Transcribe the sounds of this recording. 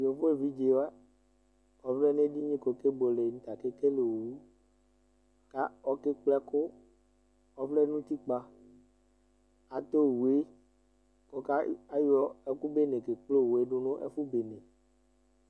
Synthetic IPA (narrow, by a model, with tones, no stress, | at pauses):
jo˨fo˦e˨vi˦d͡ʒe˨wa˦ | ɔ˨flɛ˦nẽ˦ɖi˦ɲĩ˦ko˨ke˦bo˨le˨n̩˨˦t̪a˨ke˦ke˦le˨wu˦ | ka˦ɔ˨ke˦k͡plɛ˦ko˦ | ɔ˦flɛ˦nũ˦t̪i˦k͡pa˦ | a˨t̪o˦˨wu˨e˦ | kɔ˨ka˦a˦jɔ˦ɛ˦ku˦be˦nẽ˨ke˨k͡plo˦˨wu˨e˨˦ɖo˦nõ˦ʔḛ˦fu˦be˨nẽ˨